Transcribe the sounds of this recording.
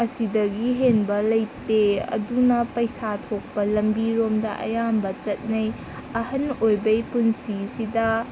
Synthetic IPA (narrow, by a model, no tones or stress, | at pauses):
ɐsidɐɡiɦenbɐlɐjteɐ̰dunɐpɐjsatʰok̚pɐlɐmbiɾomdɐ̰ʔɐ̰jambɐt͡ʃɐt̚nɐj | ɐhɐnojbɐjpunsisidɐ